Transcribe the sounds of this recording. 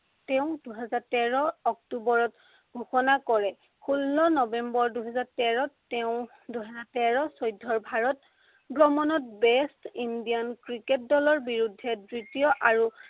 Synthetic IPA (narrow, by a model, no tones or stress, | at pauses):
tɛʊ̃duɦɛzaɹtɛɹɔɔk̚tubɔɹɔt | ɡʱuxɔnakɔɹɛ | kʰulːɔnɔbɛmbɔɹduɦɛzatɛɹɔtːɛʊ̃ | duɦɛzatɛɹɔsɔjdʱːɔɹbʱaɹɔt | bɹɔmɔnɔt̚bɛstindijankɹiket̚dɔlɔɹbiɹudʱːɛdɹitijɔʔaɹu